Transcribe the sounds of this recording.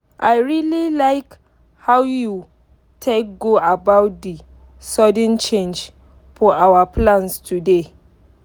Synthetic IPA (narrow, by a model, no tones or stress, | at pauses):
ʔajɹililajk | hawju | tʰek̚ɡoʔabawt̚di | sɔdɪ̃nt͡ʃẽnd͡ʒ | fɔʔawaplãnstude